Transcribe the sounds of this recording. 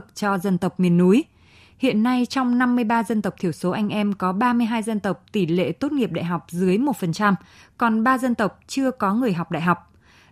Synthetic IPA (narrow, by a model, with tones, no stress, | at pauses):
k̚t͡ɕɔ˧zə˧nt̪ə˨˩wk͡p̚mi˨˩ənːu˨˦j | hḭ˧˨ənːa˧jt͡ɕɔ˧wŋ͡mna˧mːɨ˧əjɓaː˧zə˧nt̪ə˨˩wk͡p̚t̪ʰi˧˩əwso˨˦ʔa˧jŋ̟ʔɛ˧mkɔ˨˦ɓaː˧mɨ˧əɦaː˧jzə˧nt̪ə˨˩wk͡p̚t̪i˧˩lḛ˧˨t̪o˦˥t̚ŋi˨˩əp̚ɗa̰ː˧˨jɦa˨˩wk͡p̚zɨ˨˦əjmo˨˩t̚fə˨˩nt͡ɕa˧mkɔ˨˩nɓaː˧zə˧nt̪ə˨˩wk͡p̚t͡ɕɨ˧əkɔ˨˦ŋɨ˨˩əjɦa˨˩wk͡p̚ɗa̰ː˧˨jɦa˨˩wk͡p̚